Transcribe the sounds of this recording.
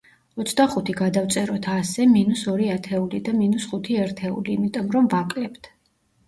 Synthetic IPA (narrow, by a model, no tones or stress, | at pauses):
ɔt̪sʰd̪aχut̪ʰiɡad̪aft̪sʼɛɾɔt̪ʰasɛminusɔɾiat̪ʰɛulid̪aminusχut̪ʰiɛɾt̪ʰɛṵliːmit̪ʼɔmɾɔmvakʼlɛpt̪ʰ